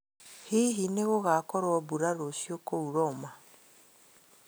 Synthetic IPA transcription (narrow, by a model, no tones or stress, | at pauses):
hiɦineɣoɣakɔɾwɔbuɾaɾosjokouɾɔma